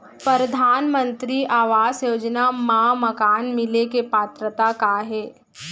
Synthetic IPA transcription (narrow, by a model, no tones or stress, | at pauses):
pɾəɾəd̪ʱaːnmə̃nt̪ɾiʔaːʋaːsjoːd͡ʒnamaːmɐkaːnmɪlekepaːt̪ɾət̪akaɦɛː